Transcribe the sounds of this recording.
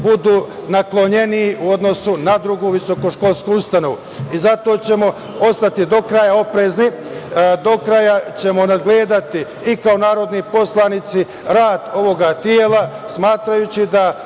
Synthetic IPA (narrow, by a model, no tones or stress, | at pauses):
bud̪uːnaklo̞ɲe̞niːuo̞d̪no̞sunad̪ɾuɡuːʋiso̞koʃko̞lˠskujust̪ano̞ʋu | izat̪o̞ːt͡ɕe̞mo̞ | o̞st̪at̪id̪o̞kɾajao̞pɾe̞ːznid̪o̞kɾajat͡ɕe̞mo̞nad̪ɡleːd̪at̪i | ikao̞naːɾo̞d̪nipo̞slˠaːnit̪si | ɾaːd̪o̞ʋo̞ɡat̪jeːla | smaːt̪ɾajut͡ɕid̪a